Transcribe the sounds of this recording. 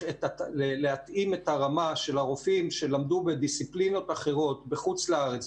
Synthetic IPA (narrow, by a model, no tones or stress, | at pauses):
etaleleat̪ime̞taʁamaʃe̞laʁofimʃe̞lamd̪ube̞d̪isiplino̞t̪aχe̞ʁo̞t̪beχut͡slaaʁet͡s